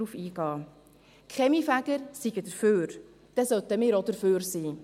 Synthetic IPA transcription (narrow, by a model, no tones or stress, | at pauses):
uːfiːɡɑː | kʰχɛmifæɡ̥əɾsiɡədəɾføːɾ | d̥ɛsœtəmɪːɾodəɾføːɾsiː